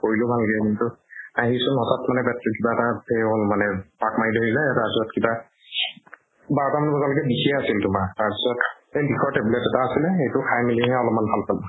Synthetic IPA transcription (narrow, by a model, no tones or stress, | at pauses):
koɹilʊbʱalɡɛkintʊaɦisʊnɔtʰatmanɛbatːikibaɛtapʰejbolmanɛpakmaidʱoɹilɛtapsɔɔtkiba | baɹɔtamanɛbɔzalɔkɛbikʰiɛasiltʊmataɹpisɔt | ebixʰɔɹtebulɛtɛtaːsilɛxejtʊkʰajmiliɦɛɔlɔpmanbʰʱalpalʊ